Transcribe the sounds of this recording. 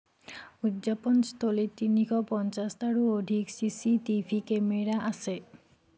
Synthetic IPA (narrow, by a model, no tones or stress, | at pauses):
ud̪ʑaponst̪olet̪inikɔpɔnt͡ɕast̪aɽuoɖʱiksisitifʰikemeɾaʔasʰe